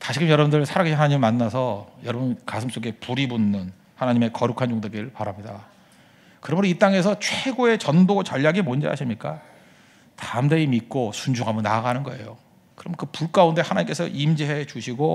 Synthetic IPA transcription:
taɕʰiɡɯmjʌɾʌbundɯɾɯɭsʰaɾaɡiɕʰnɦanaɲimimanːasʰʌjʌɾʌbunkasʰɯms͈oɡe̞puɾibunːɯn | hanaɲime̞kʌɾukʰand͡ʑoŋdeɡiɾɯɭpaɾamɲida | kɯɾʌmɯɾoit͈aŋe̞s̬ʰʌt͡ɕʰweɡoe̞t͡ɕʌndot͡ɕʌʎːjaɡimond͡ʑḛɦa̰ɕʰimɲik͈a | tamdeimik͈osund͡ʑuɡamɯna̰ɡanɯnɡʌe̞̰jo | kɯɾʌmnkɯpuk͈aunde̞hanaɲimk͈e̞sʰʌ̰ʔimd͡ʑiɦe̞t͡ɕuɕʰiɡo

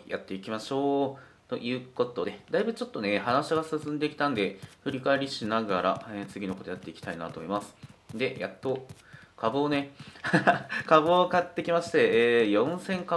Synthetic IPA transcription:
ja̰t̪ːe̞ikʲimaɕo̞ː | t̪o̞̰ʔɯ̟ːko̞t̪o̞d̪e̞d̪aibɯ̟t͡ɕo̞t̪ːo̞ne̞hanaɕi̥aɡasɨsɨ̃nd̪e̞ikʲi̥t̪ãnd̪e̞ɸɯ̟ɾʲikaeɾʲiɕinaɡaɾa̰et͡sɨɡʲinoko̞t̪ojat̪ːe̞ikʲt̪aina̰t̪o̞̰mimasɨ̥d̪e̞ja̰t̪ːo̞ | kʰabɯːne̞ | kabɯokat̪ːe̞kʲimaɕi̥t̪e̞ːjõ̞ɰ̃sẽ̞ŋka

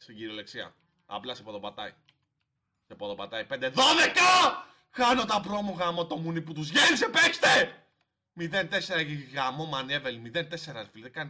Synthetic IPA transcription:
st̪iɟiɾiole̞ksiɐ̰ | ɐ̰plɐsepoðopat̪ɐi | sepoðo̞pat̪ɐipend̪eðoðekɐ | xɐno̞t̪ɐpɾo̞moɣamot̪o̞muniput̪uzʝenisepekst̪e̞ | miðent̪e̞seɾɐʝiɣamo̞manievelimiðent̪e̞seɾɐsfiliðekɐni

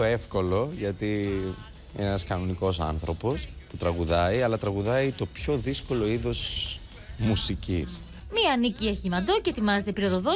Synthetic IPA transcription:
oefko̞lo̞ʝɐt̪i | ḛnɐskɐno̞niko̞sɐ̰nθɾo̞po̞sput̪ɾɐɣuðɐiɐlɐt̪ɾɐɣuðɐit̪o̞pço̞ðisko̞lo̞iðo̞si̥ | musicis | miɐnicieçimɐd̪ocet̪imɐzet̪epiɾiot̪oðo

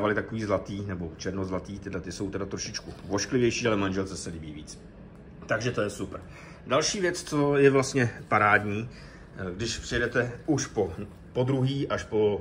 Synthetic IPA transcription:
avalɪt̪akoviːzlat̪iːnɛbo̞t͡ʃɛɾnozlat̪iːt̪ɪdlɛt̪ɪso̞wt̪ɛdat̪ɾoʃɪt͡ʃkuvoʃklɪvjɛjʃiːalɛmanʒɛlt͡sɛsɛlɪbiːviːt͡s | t̪aɡʒɛt̪o̞jɛsupɾ̩ | dalʃiːvjɛt͡st͡so̞jɛvlast̪ɲɛpaɾaːdɲiː | ɡdɪʃpr̥ɪjɛdɛt̪ɛuʃpo | pod̪ɾuɦiːʔaʃpo̞

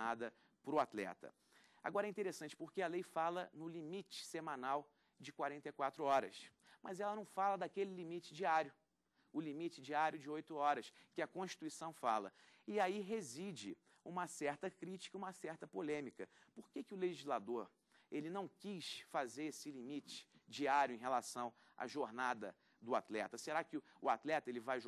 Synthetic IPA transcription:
ad̪ɐ | pɾʊat̪lɛ̰t̪ɐ̰ | a̰ɡɔɾɐɛĩt̪eɾesɐ̃nt͡ʃɪ̥poɾkeɐlejfalɐnʊlimit͡ʃɪ̥semɐ̃naw | d͡ʒɪkwaɾẽnt̪ejkwat̪ɾʊɔɾɐ̰s | mʔɐzɛlɐnɐ̃w̃falɐd̪akelɪlimit͡ʃɪ̥d͡ʒiaɾjʊ | ʊlimit͡ʃɪd͡ʒiaɾjʊd͡ʒɪojt̪ʊɔɾɐskɪɐkõʃt͡ʃi̥t̪uisɐ̃w̃fa̰lɐ̰ | ɪaiɦezid͡ʒɪ | ũmɐsɛɾt̪ɐkɾit͡ʃi̥kɐũmɐsɛχt̪ɐpolẽmikɐpoɾkekɪʊleʒizlad̪oɾ | elɪnɐ̃w̃kisfazeɾesɪlimit͡ʃɪ̥d͡ʒiaɾjʊẽj̃ɦelasɐ̃w̃ | a̰ʒoɾnad̪ɐ̰ | d̪ʊa̰t̪lɛt̪ɐseɾakɪʊat̪lɛt̪ɐelɪvaj

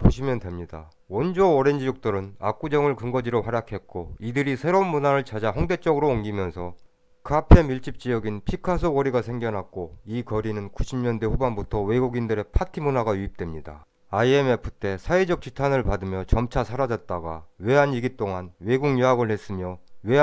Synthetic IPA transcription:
poɕʰimjʌndwe̞mɲida̰ | wʌnd͡ʑoːɾe̞nd͡ʑid͡ʑok̚t͈ɯɾɯna̰k͈ud͡ʑʌŋɯɭkɯŋɡʌd͡ʑiɾoɸwaɾjakʰe̞t̚k͈oidɯɾisʰe̞ɾomːunaɾɯɭt͡ɕʰad͡ʑaɸʌŋde̞t͡ɕ͈ʌɡɯɾoːŋɡimjʌnsʰʌ | kɯapʰe̞miɭt͡ɕ͈ip̚t͡ɕ͈ijʌɡinpʰikʰas̬ʰokʌɾiɡasʰe̞ŋɡjʌnɦak̚k͈oikʌɾinɯnkuɕʰimɲʌnde̞ɸubanbutʰʌwe̞ɡuɡindɯɾe̞pʰatʰimunaɡajuip̚t͈wemɲida̰ | aie̞me̞pʰɯ̥t͈e̞sʰaed͡ʑʌk̚t͡ɕ͈itʰanɯɭpadɯmjʌt͡ɕʌmt͡ɕʰasʰaɾad͡ʑʌt̚t͈aɡawe̞ɦaɲiɡit͈oŋanwe̞ɡuŋɲoɦaɡɯɭhe̞s͈ɯmjʌwe̞

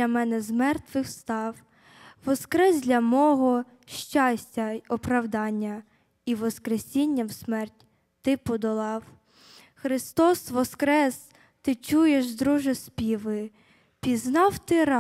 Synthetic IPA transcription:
ɐmɛnɛzmɛrt̪ʋɪxst̪ɑw | ʋɔskɾɛzd̪ʲlʲɐmɔɦɔ | ʃt͡ʃɑsʲtʲɐɔpɾɐwd̪ɑnʲːɐ | iʋɔskɾesʲinʲːɐwsmɛrtʲ | t̪ɪpɔd̪ɔlˠɑw | xɾɪst̪ɔsʋɔskɾɛs | t̪ɪt͡ʃujeʃd̪ɾuʒɪspʲiʋɪ | pʲiznɑwt̪ɪɾɑ

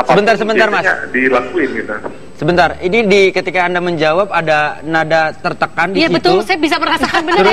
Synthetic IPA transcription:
asəbənt̪arsəbənarmasdilakuɪnkit̪u | səbənt̪arinidikət̪ikaːndaməɲd͡ʒawap̚adanadat̪ərt̪əkandijasibət̪ʊulsajabisamərkasakanbəɾ

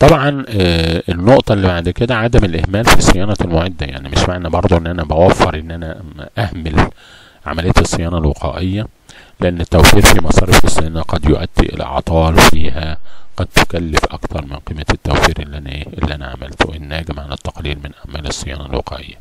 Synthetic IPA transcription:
t̪ˤɑbʕɑn | enːoʔt̪ˤɑlːibaʕd̪ked̪æʕad̪æmelʔehmæːlfisejæːnɑlmoʕed̪ːæja̰ʕnimɪʃmaʕnæbɑɾˤd̪ˤoʔenːʔænæbæwæfːɑɾˤʔenːʔænæʔæhmel | ʕa̰mælejːæt̪sˤːejɑːnɑlweqæ̰ːʔejːæ | leʔænːet̪ːæwfiːɾfimɑsˤɑːɾefesˤːejænæqɑd̪jo̰ʔæd̪ːḛʔḛlʔɑ̰ʕt̪ˤɑːlfiːhæqɑd̪̚t̪ekælːefʔɑkt̪ʰɑɾˤmɪnqiːmːæt̪ːæ̰wfiːɾʔʔelːḭʔænæ̰ʕa̰mæ̰lt̪oʔenːæːɡemʕanɪt̪ːɑqliːɾmɪnʔæʕmæːlesˤːejɑ̰ːnɑlwḛqʰæ̰ːʔḛjːæ

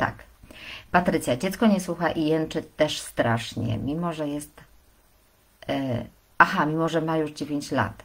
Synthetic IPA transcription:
t̪a̰kpat̪ɾɘt̪sʲjad͡ʑɛt̪skɔɲɛswuxaʔijɛnt͡ʂɘt̪ɛʂst̪ɾaʂɲɛ̰mʲimɔʐɛjɛst̪ | ʔaxamʲimɔʐɛmajuʐd͡ʑevʲjeɲt͡ɕla̰t̪

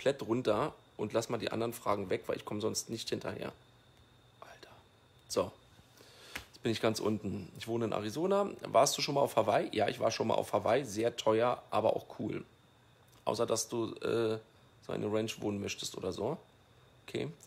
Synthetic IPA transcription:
ɔmpʰl̥ɛtʁʊntɐ | ʔʊntlasmaːldiːʔa̰ndɐʁənfʁ̥aːɡŋ̩vɛkv̥aɪlɪçkʰɔməzɔnstnɪçthɪntʰɐ̰hḛːɐ | ʔaltʰɐ̥ | z̥o | jɛt͡sb̥ɪnɪçɡ̥ansʔʊntn̩ɪçv̥oːnəɪnʔa̰ʁizoːnava̰ːɐstd̥uːʃoːnmalaʊfhavaɪjʔaːʔɪ̰çv̥a̰ːɐʃoːnma̰lʔa̰ʊfhavaɪzeːɐtʰɔʏɐʔaːbɐʔa̰ʊxkʰuːl | ʔa̰ʊsɐdasd̥uːʔɛ̰ː | zoʔa̰ɪnəʁɛnt͡ʃv̥oːnənmœçtə̥stʔo̰ːdɐzoː | ʔokʰḛː

